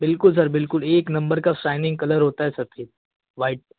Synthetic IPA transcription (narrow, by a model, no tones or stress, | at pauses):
bɪlkʊlsəɾbɪlkʊleːknɐmbəɾkasajnɪ̃ŋɡ̚kɐləɾɦot̪aɦɛsət̪ʰiːt̪̚ | ʋaiʈ̚